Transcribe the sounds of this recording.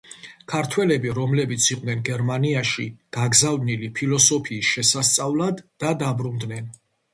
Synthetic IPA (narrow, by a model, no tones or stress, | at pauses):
kʰaɾt̪ʰwɛlɛbiɾɔmlɛbit̪sʰiqʼnɛnɡɛɾmaniaʃḭɡ̥aɡzavnilipʰilˠɔsɔpʰiːsʃɛsast̪sʼavlˠad̪ːad̪abɾund̪nɛn